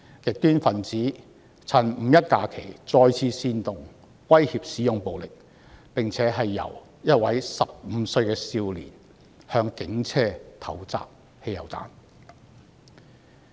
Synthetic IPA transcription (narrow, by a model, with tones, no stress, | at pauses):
kɪ˨k̚t̪yː˥nfɐ˨nt͡siː˨˥ | t͡sʰɐ˨˩nm̩ː˨˩jɐ˥t̚kaː˧kʰe˨˩jt͡sɔː˧jt͡sʰiː˧siː˧nt̪ʊ˨ŋ | wɐ˥jhiː˧p̚siː˨˥jʊ˨ŋpo˨wlɪ˨k̚ | pɪ˨ŋt͡sʰɛː˨˥ɦɐ˨jːɐ̰˨˩w | jɐ˥t̚wɐ˨˥jsɐ˨p̚m̩˨˧˦sɵ˧ɥkɛː˧siː˧wlḭː˨˩n | hœː˧ŋkɪ˨˥ŋt͡sʰɛː˥t̪ʰɐ˨˥wt͡sa̰ː˨p̚ | he˧jɐ˨˩wt͡sa̰ː˨˥n